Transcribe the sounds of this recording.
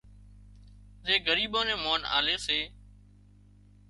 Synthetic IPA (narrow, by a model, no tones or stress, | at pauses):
zeːɡəɾiːɓõːnẽːmoːna̰ːleːseː